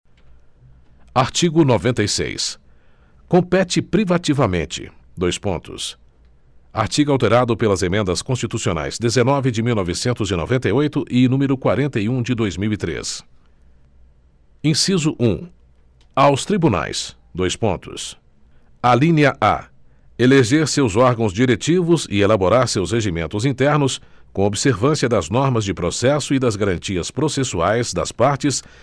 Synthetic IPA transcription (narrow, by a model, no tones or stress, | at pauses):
aɾt͡ʃiɡʊnovẽnt̪ejsḛjs | kõpɛt͡ʃɪpɾivat͡ʃivɐmẽnt͡ʃɪ̰d̪ojspõnt̪ʊ̰s | a̰ɾt͡ʃiɡʊawt̪eɾad̪ʊpelɐzemẽnd̪ɐskõst͡ʃit̪usiona̰jz̥d̪ezenɔvɪd͡ʒɪmiwnɔvɪsẽnt̪ʊzɪno̰vẽnt̪ɐjojt̪ʊʔɪnũmeɾʊkwaɾẽnt̪eiũd͡ʒɪd̪ojzmiwit̪ɾḛs | ĩsizʊʔũ | awst̪ɾibuna̰js | d̪ojspõnt̪ʊ̰s | alĩniɐʔa̰ | eleʒeɾsewzɔɾɡɐ̃w̃zd͡ʒiɾet͡ʃivʊzɪ̰elaboɾaɾsewsheʒimẽnt̪ʊzĩnt̪ɛɾnʊskõobɪseɾvɐ̃siɐd̪ɐznɔɾmɐzd͡ʒɪpɾosɛsʊɪd̪ɐzɡaɾɐ̃nt͡ʃiɐspɾosesuajzd̪ɐ̰spaɾt͡ʃɪs